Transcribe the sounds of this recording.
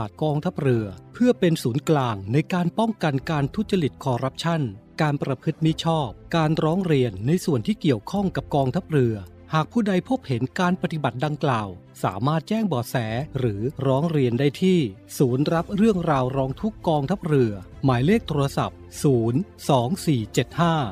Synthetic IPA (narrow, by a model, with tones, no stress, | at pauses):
aː˨˩t̪̚kɔː˧ŋt̪ʰa˦˥p̚ɾɯ˧ɐpʰɯ˥˩ɐpe˧nsuː˩˦nklaː˧ŋna˧jkaː˧npɔ˥˩ŋka˧nkaː˧nt̪ʰu˥t̚t͡ɕa˧li˨˩t̪̚kʰɔː˧ɾa˦˥p̚t͡ɕʰa˥˩nkaː˧npɾa˧pʰɯ˦˥t̪̚mi˦˥t͡ɕʰɔː˥˩p̚kaː˧nɾɔː˦˥ŋɾi˧ənːa˧jsu˨˩ənt̪ʰiː˥˩ki˨˩əwkʰɔ˥˩ŋka˨˩p̚kɔː˧ŋt̪ʰa˦˥p̚ɾɯ˧ɐ | haː˨˩k̚pʰuː˥˩da˧jpʰo˦˥p̚he˩˦nkaː˧npa˧t̪i˨˩ba˨˩t̪̚da˧ŋklaː˨˩w | sa̰ː˩˦maː˥˩t̪̚t͡ɕɛː˥˩ŋbɔː˨˩t̪̚sɛː˩˦ɾɯː˩˦ɾɔː˦˥ŋɾi˧əndaː˥˩jt̪ʰiː˥˩suː˩˦nɾa˦˥p̚ɾɯ˥˩əŋɾaː˧wɾɔː˦˥ŋt̪ʰu˦˥kːɔː˧ŋt̪ʰa˦˥p̚ɾɯ˧ɐ | maː˩˦jleː˥˩k̚t̪ʰuː˧ɾa˧sa̰˨˩p̚suː˩˦nsɔː˩˦ŋsiː˨˩t͡ɕe˨˩t̪̚haː˥˩